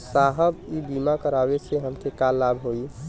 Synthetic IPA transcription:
saɦəbibimakəɾabet͡ʃʰeɦəmkʰekalːabɦoi

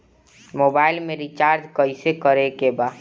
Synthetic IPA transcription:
moːbaːɪlmẽɾit͡ʃaːɾd͡ʒkəisekəɾekebaː

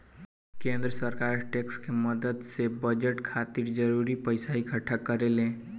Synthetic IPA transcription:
kẽnd̪ɾəsəɾkaɾʈekskeməd̪əd̪sebəd͡ʒəʈkʰat̪iɾd͡ʒəɾuɾipəɪsaɦikʰəʈʰːakəɾelẽ

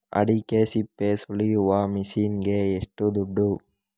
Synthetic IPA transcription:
ɐ̰ɽikesipːesuɭijuʋamisiːnɡeːʂʈud̪uɖːu

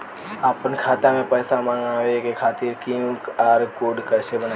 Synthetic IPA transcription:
aːpənkʰaːt̪amẽpəːsamãːŋaekekʰaːt̪iːɾkiũkaːɾkoːɖkəːsebəna

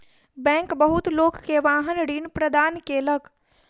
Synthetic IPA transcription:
bɛ̃ːŋkbəɦʊt̪loːkːeʋaːɦənɽiːnpɾəd̪aːnkeləɡ

